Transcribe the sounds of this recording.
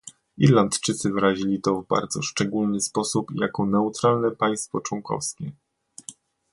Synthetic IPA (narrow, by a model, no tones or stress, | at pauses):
iɾlant̪t͡ʂɘt̪sɘvɾaʑilʲit̪ɔvba̰ɾd̪z̥ɔʂt͡ʂɛɡulnɘspɔsupjakɔnɛut̪ɾalnɛpaj̃st̪fɔt͡ʂwɔŋkʰɔ̰fskʲɛ